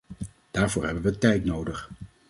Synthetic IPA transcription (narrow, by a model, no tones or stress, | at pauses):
d̥aːɹvʊːɹɦɛbənʋətɛjtnowdəχ